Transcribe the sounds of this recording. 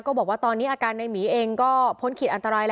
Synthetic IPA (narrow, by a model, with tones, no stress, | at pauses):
kɔː˥˩bɔː˨˩kwaː˥˩t̪ɔː˧nːi˦˥ʔaː˧˩kaː˧nːa˧jmiː˩˦ʔeː˧ŋkɔː˥˩pʰo˦˥nkʰi˨˩ʔa˧nt̪a˧ɾaː˧jl